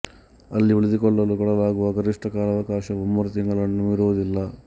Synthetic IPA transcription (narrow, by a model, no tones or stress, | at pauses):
ɐlːiuɭid̪ikɔɭːɐlukɔɽɐlaːɡuʋɐɡɐɾiʂʈɐkaːlɐʋɐkaːʃɐumːɐɾɐt̪iŋɡɐɭɐnːuiɾuʋɐd̪ilːɐ